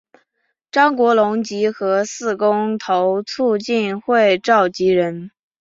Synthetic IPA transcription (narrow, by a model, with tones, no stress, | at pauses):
ʈ͡ʂɑ˥ŋkwɔ˧˥lʊ˧˥ŋt͡ɕi˧˥xɤ˧˥sɹ̩˥˩kʊ˥ŋt̪ʰo˧˥ʊt͡sʰu˥˧t͡ɕi˥˧nxwe˥˧ɪʈ͡ʂɑ˥˩ʊt͡ɕi˧˥ɻə˧˥n